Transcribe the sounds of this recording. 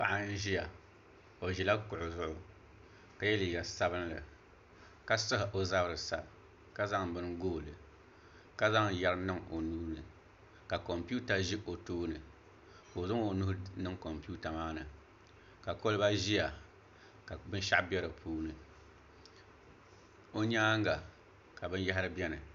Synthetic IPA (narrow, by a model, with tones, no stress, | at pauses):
pa̰˨ʔa˦n̩˦ʒi˦ja˨ | o˨ʒi˨la˦kʊ˨ʔʊ˨zʊ˦ʔʊ˨ | ka˨jɛ˦liː˨ɡa˨sa˦bɨ˦n˦lɨ̰˨ | ka˦sɨ˦hɪ˨ʔo˨za˦bɾɨ˨sa˨b | ka˦za˦ŋbɨ˦nɡoː˦˨lɨ˨ | ka˦za˦ŋ˨ja˦ɾɨ˦nɨ˦ŋo˨nuː˦nɨ˨ | ka˨kɔ˨mpu˦ta˨ʒi˦ʔo˨toː˦nɨ˨ | ko˨zʊ˦ŋo˨nu˦hnɨ˦ŋkɔ˨mpu˦ta˨maː˦nɨ˨ | ka˨ko˦lɨ˦ba˦ʒi˦a˨ | ka˨bɨ˦n˦ʃa̰˦ʔbɛ˦ɾɨ˨pʰuː˦nɨ˨ | o˦ɲaː˦ŋ˦ɡa˨ | ka˨bɨ˦n˦ja˦ɦa˦ɾɨ˦bɛ˦nɨ˨